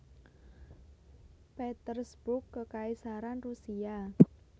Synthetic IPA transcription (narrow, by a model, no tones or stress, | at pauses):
pɛt̪ərsbʊkːəkaisaɾanrusia